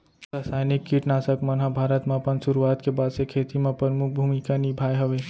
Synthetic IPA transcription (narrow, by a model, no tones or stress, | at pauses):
t̪əsaɪnikːiʈnasəkmənɦãbʱaːɾət̪mẽəpənsuɾuat̪kebaːd̪sekʰet̪imẽpɾəɾmuk̚ʰbʱumikanibʱajɦəʋe